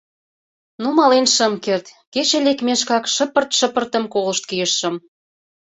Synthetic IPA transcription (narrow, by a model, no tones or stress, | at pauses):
numɑlenʃə̆mkert̪ket͡ɕĕlekmeʃkɑkʃə̆pə̆rt̪ʃə̆pə̆rt̪ə̆mkolə̆ʃt̪̚kijəʃːə̆m